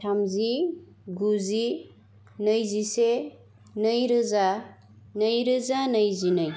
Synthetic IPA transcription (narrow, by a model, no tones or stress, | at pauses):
tʰamzi | ɡuzi | nəjzise | nəjɾɯza | nəjɾɯzanəjzinəj